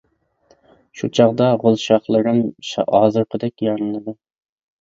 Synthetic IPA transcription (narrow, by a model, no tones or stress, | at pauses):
ʃut͡ʃʰɑʁd̪ɑʁolˠʃɑχlˠɨɾɨmʃhɑːzɨɾqʰəd̪ɛkʲjɑɾnɨlˠɨd̪ɨ